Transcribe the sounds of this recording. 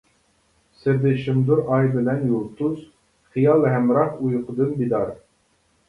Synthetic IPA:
sɪɾd̪ɪʃɪmd̪uɾɑjbɪnɛnjulˠt̪uz | χɨjɑlˠɦɛmɾɑχujqʰəd̪ɨnbid̪ɑɾ

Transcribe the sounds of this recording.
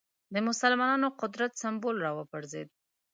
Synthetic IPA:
d̪əmʊsalmɑnɑnoqʊd̪ɾat̪sambolɾɑwəpəɾzed̪̚

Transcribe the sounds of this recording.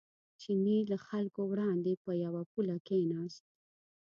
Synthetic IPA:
t͡ʃinilaxalkowɽɑnd̪epəjawapulakenɑst̪̚

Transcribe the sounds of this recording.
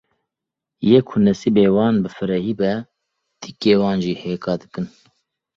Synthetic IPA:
jeːkʰunɛsiːbeːwɑːnbɨfɨɾɛhiːbɛ | t̪ikeːwɑːnʒiːheːkɑːd̪ɨkɨn

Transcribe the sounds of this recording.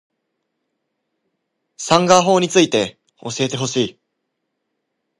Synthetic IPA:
sãŋɡaɦo̞ːɲ̟it͡sɨit̪e̞ | oɕie̞t̪e̞ɦo̞ɕiː

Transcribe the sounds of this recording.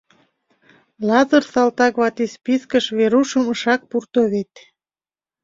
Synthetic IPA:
lɑzərsɑlt̪ɑkβɑt̪espiskəʃβeɾuʃəməʃɑk̚purt̪oβet̪

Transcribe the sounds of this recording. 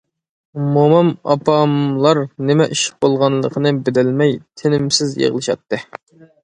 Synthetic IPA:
momɑmɑ̰pɑmlˠɑɾnɪmɛʔiʃɪ̥q̚bolˠʁɑnlˠəqʰənɨbɪd̪ɪlmɛjt̪ʰenɪmsɪzjḛʁlˠɨʃɑ̰t̪ʰːɨ

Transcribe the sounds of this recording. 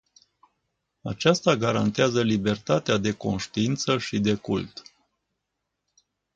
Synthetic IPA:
a̰t͡ʃast̪aɡaɾant̪eazəlibe̞rt̪at̪ead̪e̞ko̞nʃt̪iint̪səʃid̪e̞kṵlt̪

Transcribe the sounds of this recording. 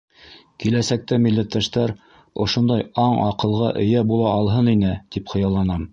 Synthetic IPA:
kilæsæk̚t̪æmilːæt̪ːæʃt̪æɾ | ŏʃond̪ɑjɑɴɑqɤ̆lˠʁɑʔɘ̆jæbulˠɑːlˠɦɤninɘt̪ipχɤ̆jɑlˠɑnɑm

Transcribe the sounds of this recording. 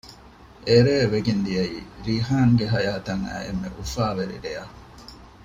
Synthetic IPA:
ʔeɾeːʋeɡind̪iɐiːɾiɦaːŋɡeɦɐjaːt̪ɐŋæ̰ːḛmːḛʔufaːʋeɾḭd̪ejɐ

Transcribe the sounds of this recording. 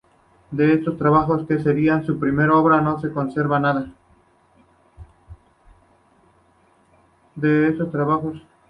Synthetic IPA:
d̪e̞est̪o̞st̪ɾaβaxo̞ske̞se̞ɾiansupɾime̞ɾao̞βɾano̞se̞ko̞nse̞ɾβanaða | d̪e̞eso̞st̪ɾaβaxo̞s

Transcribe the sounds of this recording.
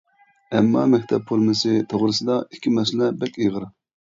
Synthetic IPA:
ɛmːɑ̰ːmækʲt̪ʰɛpʰːuɾmɨsɨt̪ʰoʁɾɨsɨd̪ɑikʲʰːimɛsɪlɛbɛkʲiʁəɾ

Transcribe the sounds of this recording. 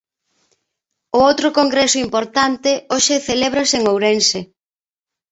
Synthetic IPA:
ʊowt̪ɾʊkoŋɡɾesʊimpoɾt̪ant̪ɪoʃeθeleβ̞ɾɐseŋowɾense

